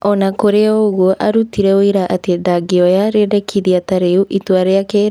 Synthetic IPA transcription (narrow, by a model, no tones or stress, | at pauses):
ɔnakoɾeɔɣwoʔaɾutiɾɛoiɾaʔatedaɡeɔjaɾedɛkʰiðiataɾeuʔitwaɾeake